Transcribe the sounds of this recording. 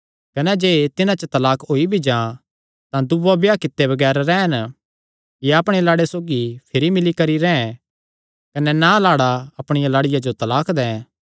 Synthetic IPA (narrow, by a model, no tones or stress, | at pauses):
kɐnɛd͡ʒeːt̪ɪnãt͡ʃət̪ɐlaːkʰoːibʱid͡ʒãː | t̪ãd̪ʊʋabjaːkɪt̪ːebɐɡɛːɾɾɛːn | jɐpɽ̃elaːɽesoːɡipʰɪɾimɪlikɐɾiɾɛ̃ːɛ̃ | kɐnɛnalaːɽaɐpɽ̃ɪjalaːɽɪjad͡ʒot̪ɐlaːkd̪ɛ̃ː